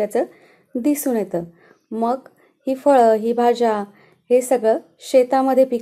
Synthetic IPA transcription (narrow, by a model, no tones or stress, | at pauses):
at͡səː | d̪isuːnjet̪əː | məɡ | hiːfəɭəɦibʱad͡ʑa | ɦesəɡɭə | ɕet̪aməd̪ʱːjepik